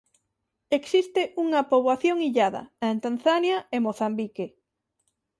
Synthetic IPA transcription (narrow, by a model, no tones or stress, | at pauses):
eksist̪eʔuŋɐpoβwaθjoŋiʎaðɐ̰aent̪an̟θanjaemoθambike